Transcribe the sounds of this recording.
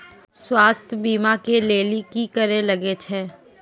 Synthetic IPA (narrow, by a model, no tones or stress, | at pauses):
swaːst̪ʰbiːmakeleːlikikəɾelɐɡet͡ʃʰeː